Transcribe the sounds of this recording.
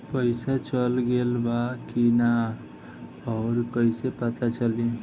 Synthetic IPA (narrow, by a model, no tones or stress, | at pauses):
pəɪsat͡ʃəlɡelbakina | ɔːɾkəɪsepət̪at͡ʃəli